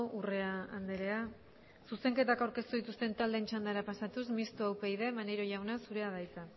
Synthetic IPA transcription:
ure̞aa̰nd̪eɾe̞a | suse̞ŋke̞t̪akawɾke̞st̪uðit̪ust̪e̞nt̪ald̪e̞ːnt͡ʃand̪aɾapasat̪usmist̪uawpejðe̞maneɾoʝawnasuɾe̞aðajt͡s̪a

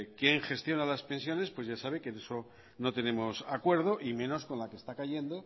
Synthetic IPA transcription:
kje̞ŋxest̪jo̞nalaspe̞nsjo̞ne̞spwe̞zʝasaβ̞e̞keðe̞so̞ | no̞t̪e̞ne̞mo̞sakwe̞ɾð̞o̞ʔimẽ̞no̞sko̞nlakest̪akaʝe̞nd̪o̞

